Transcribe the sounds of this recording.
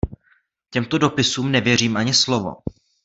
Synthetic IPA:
cɛmt̪o̞do̞pɪsuːmnɛvjɛriːmʔaɲɪslo̞vo̰

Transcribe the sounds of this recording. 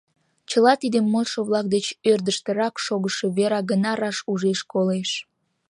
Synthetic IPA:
t͡ɕəlɑt̪id̪emːolʃoβlɑk̚d̪et͡ɕørd̪əʃt̪əɾɑkʃoɣəʃe̽βeɾɑɡənɑɾɑʃuʒeʃkoleʃ

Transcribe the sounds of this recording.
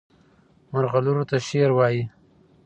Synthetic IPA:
maɾɣaluɾot̪aʃeɾwɑji

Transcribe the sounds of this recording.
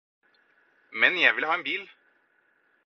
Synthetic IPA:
mɛnjæɪʋɪlhɑːeːnbiːl

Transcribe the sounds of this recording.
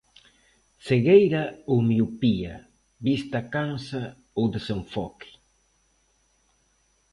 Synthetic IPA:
seɣejɾaomiupia̰ | bist̪akansa | owd̪ɪsewfɔki̥

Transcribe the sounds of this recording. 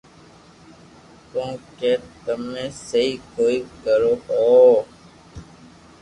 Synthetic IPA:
k̪õːkeːt̪əmẽːsəɦiːkoːiːkəɾoːhoː

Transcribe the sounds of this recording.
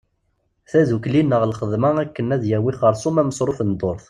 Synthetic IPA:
θæðuklinːəʁlχəðmæækːənæðjæwiχəɾˤsˤumæməsɾˤofənd̪ˤoɾθ

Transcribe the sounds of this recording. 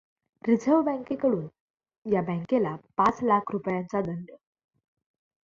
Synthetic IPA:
ɾid͡zʱəʋbə̃ŋkekəɽuːn | jabə̃ŋkelapãt͡slakʰɾupjãnt͡sad̪əɳɖə

